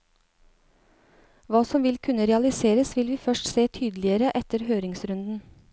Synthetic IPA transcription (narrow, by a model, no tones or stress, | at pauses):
ʋɑːsɔmʋɪlkʰʉnəɾɛɑlɪseːɾəsʋɪlʋiːfœʃʈseːt̪ʰyːd̪lɪəɾəʔɛt̪əɾhøːɾɪŋsɾʉnd̪n̩